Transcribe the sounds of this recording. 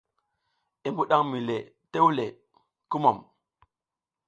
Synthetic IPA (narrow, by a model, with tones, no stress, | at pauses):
e˨mbu˦ɗa˦ŋmi˨le˨ | te˦wu˦le˨ | ku˦mo˨m